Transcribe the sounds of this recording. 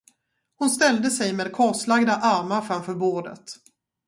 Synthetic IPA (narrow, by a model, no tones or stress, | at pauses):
hʊnst̪ɛld̪əsɛjmeːd̪̚kʰɑːʂlaɡd̪aʔaɾmaɾfɾamfœːɾboːɖə̰t̪